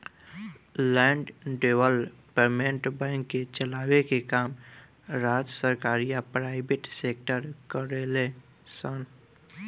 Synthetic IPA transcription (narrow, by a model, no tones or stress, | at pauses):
lɛ̃ːɳɖɖeːʋəlpemẽɳʈbɛ̃ːŋkːet͡ʃəlaːwekekaːm | ɾaːd͡ʒəsəɾkaːɾijapɾaːɪbeʈseːk̚ʈəɾkəɾele | sən